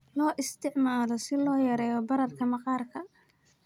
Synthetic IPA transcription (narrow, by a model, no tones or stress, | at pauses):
lɔːʔɪst̪ʰɪʕmaːlɔsɪlɔːjɐɾɛːjɔbɐɾɐrkʰɐmɑqɑːrkʰɐ